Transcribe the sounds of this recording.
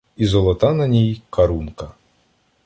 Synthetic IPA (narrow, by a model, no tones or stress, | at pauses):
izɔlˠɔt̪anɐnʲijkɐɾunkɐ